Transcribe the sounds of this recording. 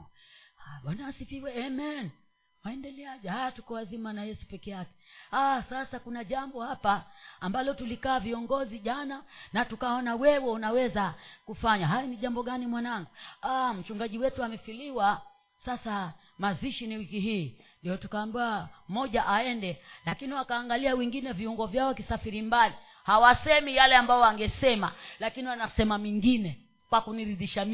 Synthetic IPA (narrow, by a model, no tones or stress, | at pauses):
aɓanasiviwɛɛmɛn | waɛndɛlɛaʄɛhajatukɔwazimanajɛsu̥pɛkɛjakɛ̥asasakunaʄambɔhapaːmbalɔtulikaːviɔŋɡɔziʄananatukaɔnawɛwɛunawɛzakufaɲaɦajɔniʄambɔɡanimwanaŋɡuam̩t͡ʃuŋɡaʄiwɛtuamɛfiliwa | sasa | maziʃiniwikiɦiːndijɔtukaːmbuamɔʄaʔaɛndɛlakiniwakaːŋɡaliawɛŋɡinɛviuŋɡɔvjaɔkisafiɾimbali | hawasɛmijalɛambajɔaŋɡɛsɛma̰lakiniwanasɛmamiŋɡinɛ | kwakuniɾiðiʃam